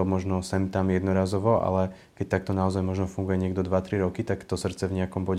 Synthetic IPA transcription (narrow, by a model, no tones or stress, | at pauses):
ɔmɔʒnɔsɛmt̪amjɛd̪nɔɾaːzɔʋɔʔa̰lɛ | kɛc̚t̪ak̚t̪ɔnaɔzajmɔʒnɔfuŋɡujɛɲɪɛɡd̪ɔd̪ʋat̪ɾiɾɔkit̪akt̪ɔsr̩t̪t͡sɛvɲɛakɔmbɔɟɛ